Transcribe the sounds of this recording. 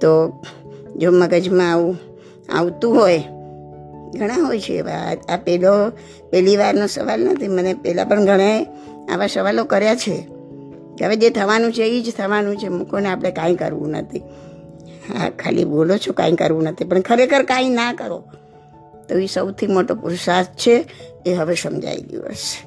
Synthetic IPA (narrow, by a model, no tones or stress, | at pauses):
t̪o | d͡ʒoməɡəd͡ʒmãːʋũ | a̰ʋt̪ũɦoj | ɡʱəɽ̃ãɦojt͡ʃʰḛːʋa̰apɛlo | pɛliʋaɾnosə̰ʋalnət̪ʰimənepɛla̰pəɳɡʱəɽ̃ae | a̰ʋasəʋalokəɾjat͡ʃʰe | əʋed͡ʒet̪ʰəʋanũt͡ʃʰeid͡ʒt̪ʰəʋanũt͡ʃʰemũkʰoneapəɽ̃ekãj̃kə̰ɾʋṵ̃nə̰t̪ʰi | a̰kʰa̰lḭbolot͡ʃʰokã̰ĩkə̰ɾʋũnət̪ʰipəɳkʰəɾekʰəɾkãĩnakəɾo | t̪oeʋisəwt̪ʰimoʈopuɾsast͡ʃʰeːɦəʋesəmd͡ʒa̰id̪ḭʋə̰s